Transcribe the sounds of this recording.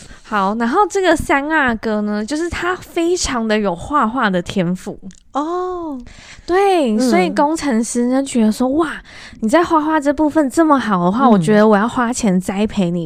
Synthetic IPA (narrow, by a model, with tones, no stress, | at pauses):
xɑ˨˩˦ʊna˧˥nxo˥˧ʊʈ͡ʂɤ˥˩ɡə˩sa˥na˥˩kɤ˥nə˧t͡ɕjo˥˧ʊʂɻ̩˥˩t̪ʰa˥fe˥ɪʈ͡ʂʰɑ˧˦ŋd̪ə˧jo˨˩ʊxwa˥˧xwa˥˩d̪ə˩t̪ʰjɛ˥nfu˨˩˦ | ɔ˨˩ | t̪we˥˩ɪswɔ˧˥i˨˩ko˥ŋʈ͡ʂʰə˧˥ŋʂ̩˥o˥˩t͡ɕɥɛ˧˥d̪ə˧swɔ˥wa˥˩ | ni˨˩t͡sa˥˧ɪxwa˥˧xwa˥˧ʈ͡ʂɤ˥˧pu˥˧fə˨nʈ͡ʂə˥˩mə˨˩xɑ˨˩ʊd̪ə˦xwa˥˩wɔ˨˩t͡ɕɥɛ˧˥d̪ə˧wɔ˨˩jɑ˥˩ʊxwa˥t͡ɕʰjɛ˧˥nt͡sa˥ɪpʰe˧˥ɪni˨˩